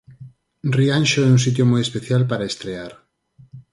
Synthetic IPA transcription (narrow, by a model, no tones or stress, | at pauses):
rianʃoɛuns̬it̪̬jomojespeθjalpaɾaest̪ɾeaɾ